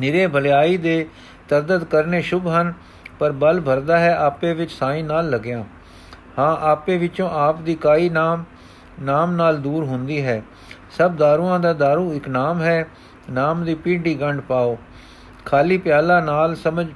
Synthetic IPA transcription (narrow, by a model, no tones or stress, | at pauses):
nɪɾeːbʱəljaːiːd̪eː | t̪əɾd̪əd̪kəɾneːʃʊbɦən | pəɾbəlbʱəɾd̪aːɦɛːʔaːpẽːʋɪt͡ʃsaːĩːnaːlːəɡjãː | hãːʔaːpẽːʋɪt͡ʃõːʔaːpd̪iːkaːiːnaː | naːmnaːld̪uːɾɦʊnd̪iːɦɛː | səb̚d̪aːɾuːãːd̪aːd̪aːɾũːɪknaːmɦɛː | naːmd̪iːpiːɖiːɡəɳɖpaːoː | kʰaːliːpɪjaːlãːnaːlsəməd͡ʒ